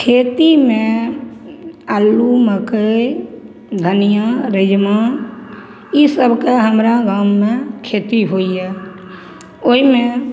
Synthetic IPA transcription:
kʰeːt̪imẽ | əlːuməkə | ɡ̪ʱənijãɾɪd͡ʒma | jisəbʱkeɦəmɾaɡaːmːẽkʰeːt̪iɦoːiɦɛː | oimẽ

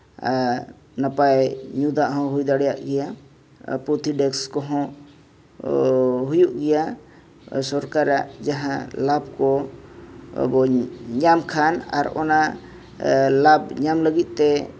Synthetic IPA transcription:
napajɲud̪aʔɦɔ̃ɦujd̪aɽɛjaʔɡɛja | put̪ʰiɖɛkskɔɦɔ̃ | ɦujuʔɡɛja | sɔɾkaɾaʔd͡ʒaɦãlabkɔ̰ | bɔɲamkʰana̰ɾɔ̰na | labɲamləɡit̪̚ˀt̪ɛ

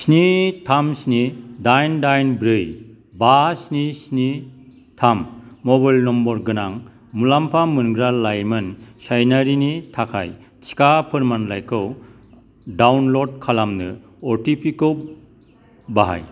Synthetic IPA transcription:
snitʰamsnidajndajnbɾɯj | basnisni | tʰamːɔbajlnɔmbɔɾɡɯnaŋ | mulampʰamɯnɡɾalajmɯnsajnaɾinitʰakʰa̰j | t͡ʃi̥kapʰɯɾmanlajkʰɯw | dawnlɔd̚kʰalamnɯ | ɔɾtipʰikow | baɦa̰j

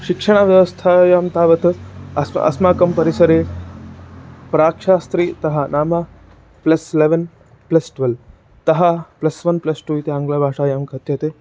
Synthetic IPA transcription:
ʃikʂɐɽ̃aʋjɐʋɐst̪ʰaːjaːmt̪aːʋɐt̪ɐsɐ̰smaːkɐmpɐɾisɐɾeː | pɾaːkʂaːst̪ɾiːt̪ɐɦanaːma | plɐsileʋɐn | plɐsʈʋɐl | t̪ɐɦaplɐsʋɐnplɐsʈuːit̪eãŋɡlabʱaːʂaːjaːmkɐt̪jɐt̪e

